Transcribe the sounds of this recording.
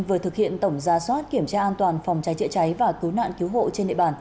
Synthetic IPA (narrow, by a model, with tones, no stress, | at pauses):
vɨ˨˩ət̪ʰɨ˨˩k̚hḭ˧˨ənt̪ə˧˩wŋ͡mzaː˨˩swaː˦˥t̚ki˧˩əmt͡ɕaː˧ʔaː˧nt̪waː˨˩nfɔ˨˩wŋ͡mt͡ɕa˨˦jt͡ɕə̰˧˥t͡ɕa˨˦jvaː˨˩kɨ˨˦wna̰ː˧˨nki˨˦wɦo̰˧˨t͡ɕe˧nɗḭ˧˨ɓaː˨˩n